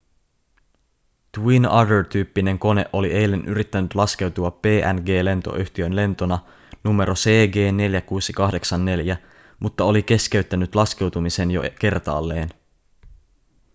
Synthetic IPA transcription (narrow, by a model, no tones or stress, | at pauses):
d̪̥winɑ̰dəɹt̪yːpːine̞ŋko̞ne̞ʔo̞liʔe̞jlːe̞nʔyɾit̪ːænyt̪lɑske̞wt̪uɑpːe̞ːʔænɡe̞ːle̞nt̪o̞̰ʔyçt̪iø̞nle̞nt̪o̞nɑ | nume̞ɾʔose̞ːɡe̞ːne̞ljækuːsikɑhde̞ksɑnːe̞ljæ | mʔut̪ːɑo̞like̞sk̟e̞yt̪ːænyt̪lɑsk̟e̞wt̪umise̞njo̞̰ke̞rt̪ɑ̰ːlːe̞ːn